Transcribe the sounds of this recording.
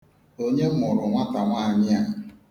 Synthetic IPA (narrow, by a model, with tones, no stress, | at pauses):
o˦ɲe˦m˦ʊ˨ɾʊ˨ŋʷa˦ta˨ŋʷa˦˨ɲɪ˦a˨